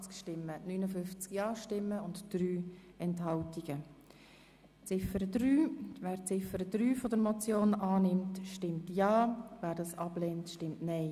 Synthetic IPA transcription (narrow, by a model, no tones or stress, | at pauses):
t͡skʃtɪmːənyːnəfʏft͡skjɑːʃtɪmːəʊntd̥ɾyː | ɛnthɑltiɡ̥ə | t͡sɪfəɾədɾyːvæːɾt͡sɪfəɾəd̥ɾyːfɔdəɾmɔt͡sjoːnɑːnɪmtʃtɪmtjɑːvæːɾdɑsɑb̥leːntʃtɪmtnɛɪ